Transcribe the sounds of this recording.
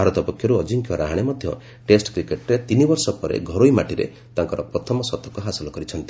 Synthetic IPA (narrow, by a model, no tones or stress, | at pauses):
bʱaɾɔt̪ɔpɔkʰjɔɾuɔd͡ʒiŋkjɔɾaɦaɽ̃emɔd̪ʱjɔ | ʈesʈkɾikeʈɾet̪inibɔɾsɔpɔɾḛɡʱɔɾoimaʈiɾḛ | t̪aŋkɔɾɔpɾɔt̪ʰɔmɔsɔt̪ɔkɔɦasɔlɔkɔɾit͡ʃʰɔnt̪i̥